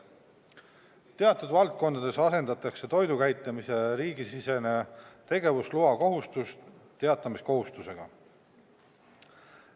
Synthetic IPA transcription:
t̪e̞ɑt̪ːˑud̪vɑlt̪̚ko̞nd̪ɑd̪̥e̞sɑse̞nd̪ɑt̪ˑːɑkse̞t̪o̞jd̪ukæjt̪ːˑɑmise̞ɾiːɡisise̞ne̞t̪e̞ɡe̞vusluɑko̞ɦust̪ust̪t̪e̞ɑt̪ˑːɑmisko̞ɦust̪use̞ɡ̥ɑ̰

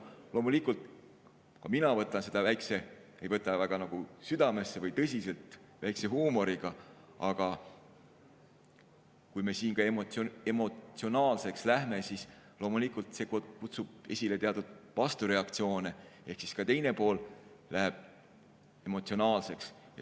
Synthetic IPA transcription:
lo̞ːmulikult̪ˑ | kɑminɑvɤt̪ːˑɑnse̞d̪̥ɑvæjkse̞ejvɤt̪ːˑɑvæɡ̥ɑnɑɡ̥usyd̪̥ɑme̞sːe̞vɤjt̪ɤs̬ʲise̞lt̪ | væjkse̞ɦuːmo̞ɾiɡ̥ɑ | ɑɡ̥ɑ | kujme̞siːnkɑemoe̞mo̞t̪sio̞nɑːlse̞kslæɦme̞sislo̞ːmulikˑult̪se̞ːkokut̪sub̥̚e̞̰sʲile̞t̪e̞ɑt̪ud̪̥̚pɑst̪uɾe̞ɑk̚t̪sio̞ːnee̞hksi̥skɑt̪e̞jne̞po̞ːl | læɦeb̥̚ | e̞mo̞t̪sio̞nɑːlse̞ks | jɑ

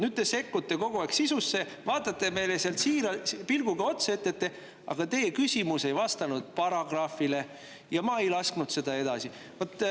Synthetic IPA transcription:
nyd̪̚t̪e̞se̞kːut̪ːe̞ko̞ɡ̥oɑksisusːe̞ | vɑːt̪ːˑɑt̪ːe̞me̞jleseɑlt̪siːɾɑpilɡ̥uɡ̥ɑo̞t̪seet̪ːˑet̪ːe̞ | ɑ̰ɡ̥ɑt̪e̞jekysʲimuse̞jvɑst̪ɑnud̪̥̚pɑɾɑɡ̥rɑːfile̞ | jɑmɑejlɑsknud̪̥se̞d̪ɑe̞d̪ɑsi | vot̪ˑː

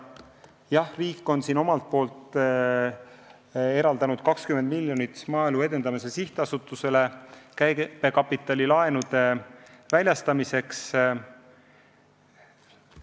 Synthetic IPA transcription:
jɑhriːkːˑo̞nsiːno̞mɑlt̪̚po̞ːlt̪ˑ | e̞ɾɑld̪̥ɑnud̪̥̚kɑkskymend̪̥milʲjo̞nit̪ːˑsmɑːilue̞d̪e̞nd̪̥ɑmise̞siht̪eɑsut̪ːˑuse̞le̞kæjpe̞kɑpːˑit̪ːˑɑlʲilɑe̞nud̪̥e̞ | vælʲjɑst̪ɑmise̞ks

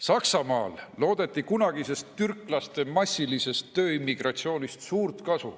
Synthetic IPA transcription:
sɑksɑmɑ̰ːlːo̞ːd̪̥e̞t̪ːˑikunɑɡ̥ise̞st̪ːyrkˑlɑst̪e̞mɑsʲːilise̞st̪ːø̞ːimːiɡ̥rɑt̪sio̞ːnʲist̪suːrt̪kɑsṵ

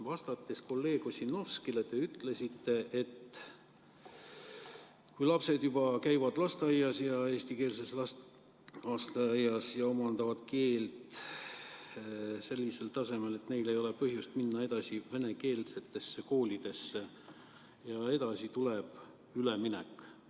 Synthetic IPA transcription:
vɑst̪ɑt̪ːˑesko̞lːe̞ːɡ̥osino̞fskilet̪e̞yt̪ːle̞sit̪ːe̞ʔet̪ | kujlɑpse̞d̪jubɑkæjvɑd̪̥lɑst̪eɑjːɑsjɑe̞ːsʲt̪ike̞ːlse̞slɑ | ɑst̪eɑjːɑsjɑo̞mɑnd̪̥ɑvɑd̪̥ke̞ːlt̪ | se̞lʲːise̞lt̪ɑse̞me̞le̞t̪ne̞jle̞jo̞lepɤhjust̪minːɑe̞d̪̥ɑsive̞ne̞ke̞ːlse̞t̪ːˑe̞sːeko̞ːlʲid̪̥e̞sːe | jɑe̞d̪̥ɑsit̪uleb̥ | yleminɛ̰kːˑ

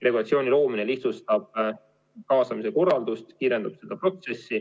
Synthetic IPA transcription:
re̞ɡulɑt̪sio̞ːnʲilo̞ːmine̞liht̪sust̪ɑb̥̚ | kɑːsɑmis̬e̞ko̞rːɑld̪ust̪kiːɾe̞nd̪ub̥se̞d̪̥ɑpro̞t̪se̞sːi

